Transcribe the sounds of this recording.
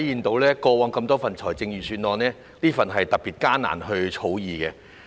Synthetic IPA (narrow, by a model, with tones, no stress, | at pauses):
jiː˨nt̪o˨˥wlɛː˥kɔː˧waː˨˥ŋkɐ˧mt̪ɔː˥fɐ˨˩nt͡sʰɔː˨˩jt͡sɪ˧ŋjiː˨˩syː˨˧nlɔː˨˧nɛː˥ | niː˥fɐ˨nɦɐ˨jt̪ɐ˨k̚piː˨t̚kaː˥na̰ː˨˩nɦɵ˧ɥt͡ʃʰo˨˥wjiː˨kɛː˧